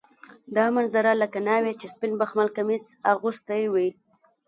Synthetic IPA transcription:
d̪ɑmanzaɾalakanɑwet͡ʃespɪnbaxmalkamizaɣʊst̪ajwi

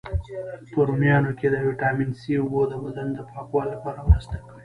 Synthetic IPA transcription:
pəɾumjɑnoked̪əwiʈɑminsiʊbod̪əbad̪and̪əpʰɑkwɑlːapɑɾamɾəst̪akəwi

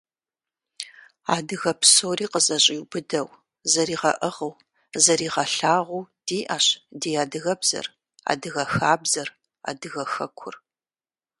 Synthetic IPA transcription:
aːdɨɣɐpsoːriːqəzʼɐɕʼiːwbɨdɐw | zɐɾiːʁɐ̰ʔəʁəw | zɐɾiːʁɐɬaːʁʷuːd̥iːʔaːɕdiːjaːdɨɣɐbz̥ɐ̰r | a̰ːdɨɣɐxaːbzɐr | a̰ːdɨɣɐxɐkʷʰʊ̰r

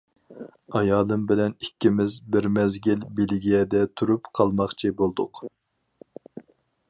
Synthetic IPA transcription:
ɑjɑːlˠɨmbɪlɛnikʲːimɪzbɪɾmɛzɡʲilbelɡʲijɛd̪ɛt̪ʰuɾupqʰɑlˠmɑχt͡ʃʰibolˠd̪ʊq

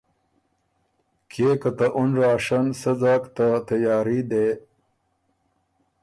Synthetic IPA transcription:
kʰeːkɐt̪aʔunɾaːʂansəzaːkt̪at̪ɐjaːɾid̪e

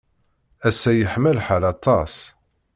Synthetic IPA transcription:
æsːæjəħməlħalɑt̪ˤɑs

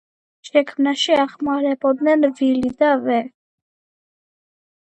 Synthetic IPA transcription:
ʃɛkʰmnaʃiɑχmɑɾɛbɔd̪nɛnvilid̪avɛ

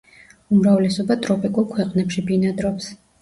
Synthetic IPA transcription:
umɾavlɛsɔbat̪ʼɾɔpʼikʼulˠkʰwɛqʼnɛpʃibinad̪ɾɔps

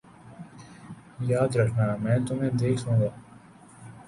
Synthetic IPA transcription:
jaːd̪ɾɐkʰnaːmɛ̃ːt̪ʊmẽd̪eːkʰɦũːɡaː

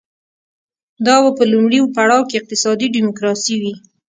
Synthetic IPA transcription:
d̪ɑwapəlumɽiwopaɽɑwkeɪq̚t̪ɪsɑd̪iɖɪmʊkɾɑsiwi

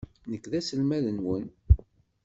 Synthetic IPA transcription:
nəkːðæsəlmæðənwən

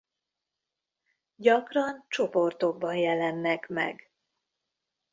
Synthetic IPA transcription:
ɟɒkrɒnt͡ʃo̞po̞rt̪o̞ɡ̚bɒnjɛlɛnːɛkmɛ̰ɡ

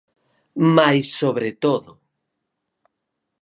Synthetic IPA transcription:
majsːoβɾet̪oðʊ

